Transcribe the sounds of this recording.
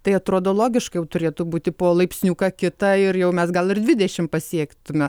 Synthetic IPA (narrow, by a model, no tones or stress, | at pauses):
t̪ɐɪɐt̪ɾoːd̪oːlˠoːɡʲɪʃkɐɪjɛʊt̪ʊɾʲeːt̪ʊbuːt̪ʲɪpoːlˠɐɪpʲsʲnʲuːkɐkʲɪt̪ɐɪɾjɛʊmʲɛsɡɐlˠɪrd̪ʲʋʲɪd̪ʲɛʃʲɪmpɐsʲiɛkt̪ʊmʲɛ